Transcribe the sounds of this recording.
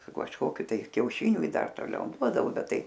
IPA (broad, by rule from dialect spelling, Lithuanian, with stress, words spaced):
sʊ kɐʃˈkoːkʲʊ tɐɪ kʲɛʊˈʃʲɪnʲʊ ɪ ˈdɐr toːˈlʲɛʊ ˈduɔdɐʋoː ˈbʲɛt ˈtɐɪ